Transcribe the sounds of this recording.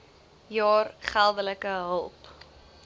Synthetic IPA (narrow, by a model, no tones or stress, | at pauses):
jɑːrχælˠdələkəɦəlˠp